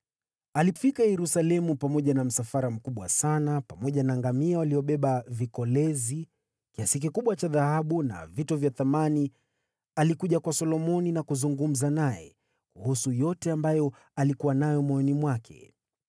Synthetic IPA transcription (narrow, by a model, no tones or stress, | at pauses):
alifikajɛɾusalɛmupamɔʄanam̩safaɾam̩kuɓwa̰sanapamɔʄanaːŋɡamiawaliɔɓɛɓavikɔlɛzi | kiasik̬ikuɓwat͡ʃaðahaɓuna̰vitɔvjaθamani | alikuʄakwasɔlɔmɔninakuzuŋɡum̩zanajɛ̰ | kuhusujɔtɛambajɔ | alikuwanajɔmwɔɔnimwakʰɛ̰